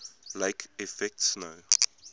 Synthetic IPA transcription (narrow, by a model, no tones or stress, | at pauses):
leɪkʰifɛk̚tsnoʊ